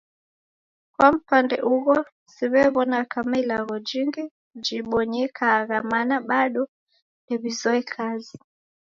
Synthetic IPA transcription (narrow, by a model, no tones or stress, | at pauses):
kwam̩pandɛʔuɣɔ | siβɛβɔnakamailaɣɔd͡ʒiŋɡi | d͡ʒiɓɔɲɛkʰaːɣamanaɓaɗɔ | ndɛβizɔɛkʰazi